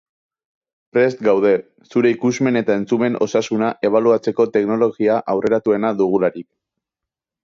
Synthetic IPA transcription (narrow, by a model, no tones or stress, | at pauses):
pɾe̞st̪ɡawð̞e̞ | suɾe̞ikuzme̞ne̞t̪ae̞nt͡sume̞no̞sasunaʔe̞β̞aluat͡se̞ko̞t̪e̞kno̞lo̞ɣiaʔawre̞ɾat̪ue̞naðuɣ̞ulaɾik